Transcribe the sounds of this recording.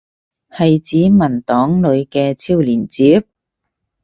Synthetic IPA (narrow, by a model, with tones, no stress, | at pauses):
hɐ˨jt͡siː˨˥mɐ˨˩nt̪ɔː˨˥ŋlɵ˨˧ɥkɛː˧t͡sʰiː˥wliː˨˩nt͡siː˨˥p̚